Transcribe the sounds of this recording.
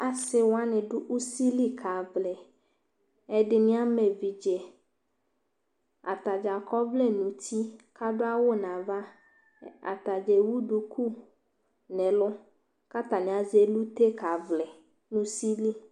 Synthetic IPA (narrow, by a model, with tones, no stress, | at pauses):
a˨sɪ˨wa˦nɪ̃˨ɖʊ˦ʔu˦si˦li˦kʰa˨vlɛ˨ | ɛ˨ɖɪ˨nĩ˦a˦mɛ˨vi˨d͡ʒɛ˨ | a̰˨t̪a˨d͡ʒa˨kɔ˦vlɛ˦nũ˨t̪ʰi˦ka˦ɖʊ˦a˦wʊ˦nã˨va˦ | a̰˨t̪a˨d͡ʒɛ˨wu˦ɖu˨kʰu˦ | nɛ̃˨lʊ˦ | ka˦t̪a˨nɪ̃˨a˨ze˨lu˦t̪e˦ka˨vlɛ˨ | nũ˨˦si˦li˦